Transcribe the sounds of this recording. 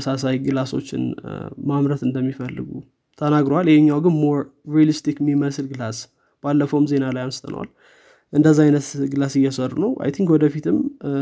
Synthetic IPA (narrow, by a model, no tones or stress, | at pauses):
sasajɡɨlaso̞̰t͡ʃːɪ̰nmamɾət̪ɨnd̪əmːifəlːɨ̰ɡṵ | t̪ʰənaɡɾoaljɛhɲːawɡɨnmoɾːialist̪ikmiməsɨlɡɨlas | b̥alːəfəwmze̞nalajamst̪ʰə̰nə̰wa̰l | ʔɨnd̪əzːaajnət̪ɡɨlasɨjɛsərːunəwʔa̰jt̪ʰiŋkwɔd̪əfit̪ʰɨm